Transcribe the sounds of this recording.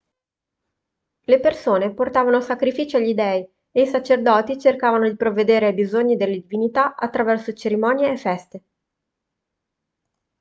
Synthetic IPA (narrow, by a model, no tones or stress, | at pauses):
lepersoːneport̪aːvanosakɾifiːt͡ʃoaʎːid̪ɛːi | eisat͡ʃerd̪ɔːt̪it͡ʃerkaːvanod̪ipɾovːed̪eːɾeajbizoɲːid̪elːed̪ivinit̪aat̪ːɾavɛrsot͡ʃeɾimɔːnjeːfːɛst̪e